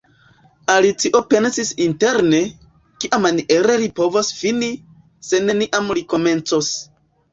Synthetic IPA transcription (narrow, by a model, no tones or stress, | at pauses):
alit͡siʔo̞pe̞nsisinte̞ɾne̞ | kiʔamaniʔe̞ɾe̞lipo̞vosfini | se̞ne̞niʔamliko̞me̞nt͡sos